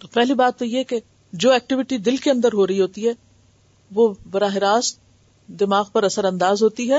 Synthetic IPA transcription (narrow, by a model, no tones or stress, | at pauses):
pɛɦlibaːt̪ːojeke | d͡ʒoːɛːk̚ʈɪʋɪʈid̪ɪlkeɐ̃nd̪əɾɦoːɾɐɦiɦoːt̪iɦɛː | ʋoːbɐɾaːɦɪɾaːs | d̪ɪmaːɣpɐɾɐsəɾɐ̃nd̪aːzɦoːt̪iɦɛː